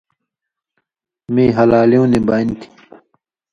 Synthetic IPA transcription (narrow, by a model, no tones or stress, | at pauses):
mẽːɦɐlaːlijõːneːbaːint̪ʰi̥